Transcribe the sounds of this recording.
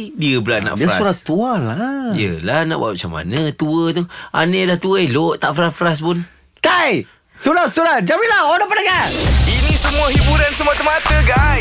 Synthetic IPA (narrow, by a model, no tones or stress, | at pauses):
diəbəla̰na̰ʔsaɾat̪ualajəlahna̰ʔbwa̰ʔmat͡ʃama̰nət̪uət̪oa̰nəlaht̪uəeloʔt̪aʔfəɾasfəɾas̬pʊn | taj | sulat̪sulat̪̚d͡ʒamĩlahodapanaɡainisəmuahibuɾansəmat̪əmat̪əɡaj